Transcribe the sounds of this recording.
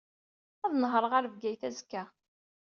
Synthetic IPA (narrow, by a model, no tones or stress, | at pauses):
æðnəɦɾˤəʁaɾvɡæjθæzkːæ